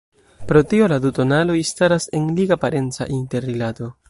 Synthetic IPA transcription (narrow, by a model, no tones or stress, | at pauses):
pɾo̞tio̞laduto̞nalo̞istaɾase̞nliɡapaɾe̞nt͡sa̰ʔinte̞ɾːilato̞